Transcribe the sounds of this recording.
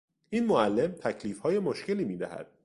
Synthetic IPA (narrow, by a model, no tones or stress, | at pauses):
ʔiːnmoælːe̞mt̪ʰæcʰliːfhɒːje̞moʃce̞liːmiːd̪æhæ̰d̪̥̚